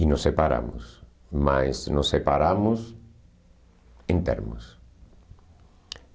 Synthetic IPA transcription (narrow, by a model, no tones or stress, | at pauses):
inosepaɾa̰mʊ̰s | majsnosːepaɾamʊs | ent̪ɛ̰ɾmʊs